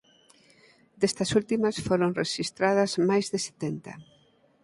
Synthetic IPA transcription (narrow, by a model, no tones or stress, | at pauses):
d̪est̪ɐsult̪imɐsfoɾonreʃist̪ɾað̞ɐzmajzðɪse̥t̪ent̪ɐ̰